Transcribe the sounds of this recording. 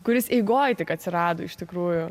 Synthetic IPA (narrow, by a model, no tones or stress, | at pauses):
kʊɾʲɪsɛɪɡoːjt̪ʲɪkɐt̪ʲsʲɪɾɑːd̪oːɪʃt̪ʲɪkɾuːjʊ